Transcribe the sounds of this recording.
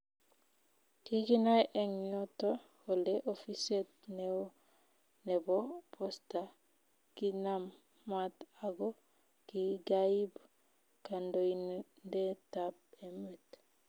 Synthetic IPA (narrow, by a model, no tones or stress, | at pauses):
kiɡinajʔeŋɲotoholdeʔofisetnew | nebopʰosta | kinamː | ataɡo | kiɡajib | kandojnndetap̚emet